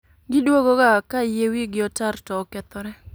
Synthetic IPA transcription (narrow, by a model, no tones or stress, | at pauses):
ɡɪdwoɡoɡakajewiɡɪɔtartɔːkɛt̪ɔɾɛ